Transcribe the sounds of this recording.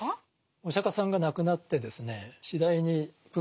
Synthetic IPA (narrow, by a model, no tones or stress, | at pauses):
oɕakasãŋɡanakɯ̟nat̪ːe̞d̪e̞sɨne̞ɕid̪aiɲ̟i | pɯ